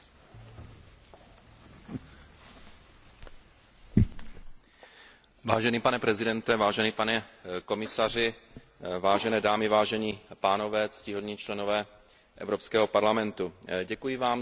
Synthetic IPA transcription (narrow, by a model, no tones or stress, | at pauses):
vaːʒɛniːpanɛpɾɛzɪdɛnt̪ɛvaːʒɛniːpanɛko̞mɪsar̝ɪ | vaːʒɛnɛːdaːmɪvaːʒɛɲiːpaːno̞vɛːt͡scɪɦodɲiːt͡ʃlɛno̞vɛː | ʔɛ̰vɾopskɛːɦopaɾlamɛnt̪uɟɛkujɪvaːm